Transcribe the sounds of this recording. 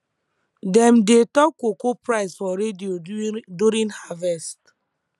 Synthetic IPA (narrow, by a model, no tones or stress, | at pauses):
dɛmdetɔkokopɾaɪsfɔɾedioduɾĩnhavɛst